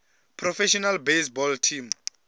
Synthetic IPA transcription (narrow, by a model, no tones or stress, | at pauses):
pʰrɔfɛʃɔnalbesbɔltʰim